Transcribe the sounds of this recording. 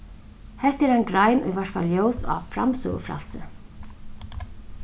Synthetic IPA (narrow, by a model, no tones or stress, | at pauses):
hɛht̪ɛɾajnɡɾajnṵjvaʂkaljoːwsa̰fɾa̰msʊ̰ːɣə̰fɾa̰lsɪ̰